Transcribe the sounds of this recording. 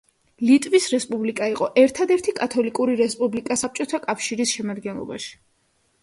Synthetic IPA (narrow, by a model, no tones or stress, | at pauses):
lit̪ʼvisɾɛspʼublikʼaiqʼɔʔɛɾt̪ʰad̪ɛɾt̪ʰikʼat̪ʰɔlikʼuɾiɾɛspʼublikʼasap̚t͡ʃʼɔt̪ʰakʼafʃiɾisʃɛmad̪ɡɛnlˠɔ̰ba̰ʃi̥